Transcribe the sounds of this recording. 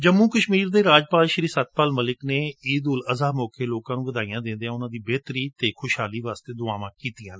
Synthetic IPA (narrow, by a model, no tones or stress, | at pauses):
d͡ʒəmːũːkəʃmiːɾd̪eːɾaːd͡ʒpaːlʃəɾiːsət̪̚paːlməlɪkneːiːd̪uːləzaːmɔːkeːloːkãːnũːʋəd̪aːijãːd̪ɪ̃nd̪eãːʊnãːd̪iːbeːt̪ɾiːt̪eːkʰʊʃɦaːliːʋaːst̪eːd̪ʊaːʋãːkiːt̪ijãːnː